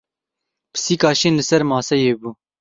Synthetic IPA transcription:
pʰɨ̥siːkɑːʃeːnlɨsɛɾmɑːsɛjeːbuː

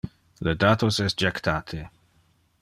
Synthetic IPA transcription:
led̪at̪osɛstd͡ʒɛkt̪ʰaːt̪ʰe

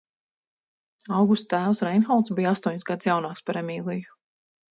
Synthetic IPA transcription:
awɡust̪æːwsɾɛjnxɔlˠt̪sbijast̪uɔɲisɡad̪sjawnaːkspaɾɛmʲiːlˠiju

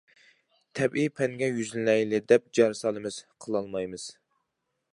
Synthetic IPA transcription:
t̪ʰɛbipʰɛŋɡʲɛjyzlnɛjlɪd̪ɛp̚d͡ʒɑɾsɑlˠɨmɨz̥qʰəlˠɑlˠmɑjmɨz̥

